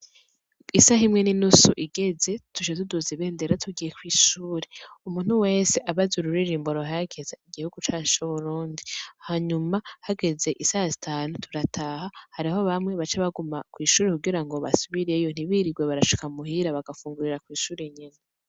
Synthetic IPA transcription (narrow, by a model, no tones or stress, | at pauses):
isaɦimŋe̞ninusuʔiɡe̞ze̞tuʃetuduziβe̞ːnde̞ɾatʰuɡijekwiːʃuːɾeumuːn̥huwe̞ːseʔaβazuɾuɾiɾiːmboɾoɦaaɡezaiɡihuɡ̥ut͡ʃaːt͡ʃuβuɾuːndihaɲumahaɡe̞ze̞ʔisazitʰaːnutʰuɾatʰahahaɾiho̞βamŋeβat͡ʃaβaɡumakwiːʃuːɾekuɡiɾaŋɡo̞βa̰suβiɾe̞jo̞n̥iβiɾiɡweβaɾaʃi̥kamuhiɾaβaɡafuːŋɡuɾiɾakwiːʃuːɾe̞ɲena